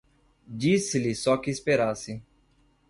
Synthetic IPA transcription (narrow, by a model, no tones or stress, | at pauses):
d͡ʒiːsɪliːsɔːkispeːɾaːsi